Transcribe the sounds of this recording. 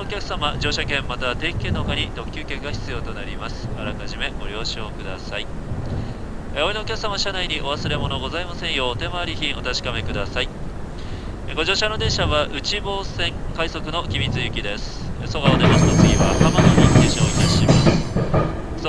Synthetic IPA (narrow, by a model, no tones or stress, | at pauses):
kʲakɯ̟̥samad͡ʑo̞ːɕakẽ̞mːat̪aβt̪e̞ːkʲi̥ke̞nːookaɲ̟id̪o̞kʲjɨːkʲe̞ɡaçi̥t͡sɨjot̪o̞naɾʲimasɨ̥aɾakaʑime̞ɡo̞ɾʲo̞ːɕoːkɯ̟d̪a̰sai | oinoːkʲak̟samaɕanaiɲ̟iʔo̞βasɨɾe̞mo̞no̞ɡo̞zaimasẽ̞ɰ̃jo̞ːt̪e̞maːɾʲiçĩɰ̃o̞t̪aɕi̥kame̞kɯ̟d̪asai | ɡo̞ʑo̞ːɕanod̪ẽ̞ɕaβaʔɯ̟t͡ɕibo̞ːsẽ̞ŋkaiso̞kɯ̟no̞kʲimʲit͡sɨjɯ̟kʲid̪e̞sɨ̥soɡaonemasɨnot͡sɨɡʲiβakamanoikeɕaoit̪aɕimasɨ̥